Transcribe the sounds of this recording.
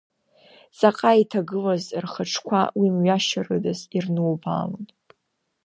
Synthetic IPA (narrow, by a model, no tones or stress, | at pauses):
zaqʼaitʰaɡɨlazrχaʈ͡ʂʰkʷʰa̰wimɥaʃarɨdazirnɨlba̰ːlɨtʼ